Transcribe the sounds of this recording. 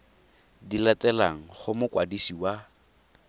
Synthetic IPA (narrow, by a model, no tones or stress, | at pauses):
dilatɛlaŋ̩χʊmʊkwadisiwa